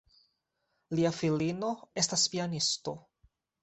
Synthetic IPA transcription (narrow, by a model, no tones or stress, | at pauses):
liafilino̞e̞staspianisto̞̰